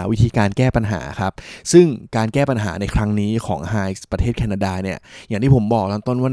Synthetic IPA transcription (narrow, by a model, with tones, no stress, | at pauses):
wi˦˥t̪ʰiː˧kaː˧nkɛː˥˩pa˧nɦa̰ː˩˦kʰɾa˦˥p̚sɯ˥˩ŋkaː˧nkɛː˥˩pa˧nɦa̰ː˩˦na˧jkʰɾa˦˥ŋniː˦˥kʰɔ̰ː˩˦ŋhaː˧pɾa˧eː˥˩kʰɛː˧naː˧daː˧ni˥˩ɐja˨˩t̪ʰiː˥˩o˩˦mbɔː˨˩k̚lɔː˥˩nt̪o˥˩nwaː˥˩